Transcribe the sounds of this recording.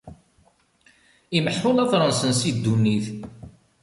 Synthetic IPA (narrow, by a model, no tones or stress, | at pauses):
iməħfʊlɑθɾˤənsənsid̪ːunːiθ